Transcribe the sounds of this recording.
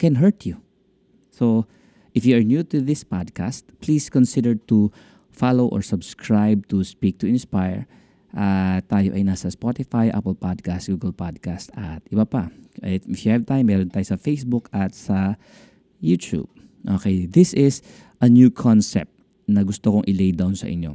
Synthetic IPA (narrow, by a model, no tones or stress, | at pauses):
kɛ̃nɦɛɹt̪ju | so | ʔɪfjuɐɹnjut̪uðɪspad̪̚kast̪pliskɔnsɪd̪ɛɹt̪u | falowʔɔ̰ɹsɐbskʰɹajb̚t̪ʊspik̚t̪ʊɪ̃nspajɛ̰ɹ | ʔat̪aːjo̞ʔɐjnaːsɐspot̪ɪfajʔa̰pɛlpad̪̚kast̪̚ɡuːɡɐlpad̪̚kast̪ʔɐt̪ʔɪbapɐʔɪfjuhɛv̚t̪ajmːɛɾont̪aːjosɐfejsbʊkɐt̪sɐ | jut̪jṵb̚ | ʔokɛjðɪsɪs | ʔɐnjuːkʰonsɛ̰p̚t̪ | nɐɡʊst̪okoŋʔɪlejd̪awnsɐ̰ʔɪ̰ɲːo̞